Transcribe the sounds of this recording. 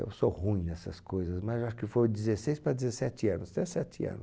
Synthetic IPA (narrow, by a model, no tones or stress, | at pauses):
ḛwsohũj̃nɛsɐskojzɐsmɐzewaʃʊ̥kɪfoɾd͡ʒɪzesejspɾɐd̪ɪzesɛt͡ʃɪɐ̃nʊsd̪ɪzesɛt͡ʃɪɐ̰̃nʊ